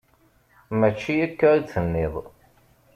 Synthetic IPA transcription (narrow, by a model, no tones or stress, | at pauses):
mæt͡ʃːijækːaɾit͡sːənːɪðˤ